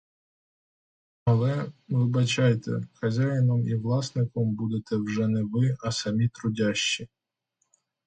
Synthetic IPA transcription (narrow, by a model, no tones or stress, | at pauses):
ɐlˠɛʋɪbɐt͡ʃajt̪ɛ̰xɐzʲajɪnɔmiʋlˠɑsnɪkɔmbud̪et̪ɛwʒɛnɛʋɪɐsɐmʲit̪ɾʊdʲaʃːi